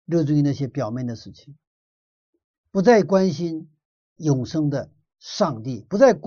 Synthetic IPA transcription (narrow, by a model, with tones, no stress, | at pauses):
ɻɤ˥˧ʈ͡ʂʊ˥˧ŋi˧na˥˩ɕjɛ˥pjɑ˨˩ʊmjɛ˥˩nd̪ə˩ʂɻ̩˥˩t͡ɕʰi˨˩ŋ | pu˧˥t͡sa˥˩ɪkwa˥nɕi˥n | jʊ˨˩ŋʂɤ˥ŋd̪ə˨ | ʂɑ˥˧ŋt̪i˥˩pu˧˥t͡sa˥˩ɪk